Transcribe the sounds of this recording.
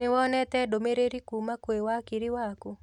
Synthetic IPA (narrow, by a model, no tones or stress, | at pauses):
ɪwɔnɛt̪ɛdomeɾeɾikumakwewakiɾɪwakʊ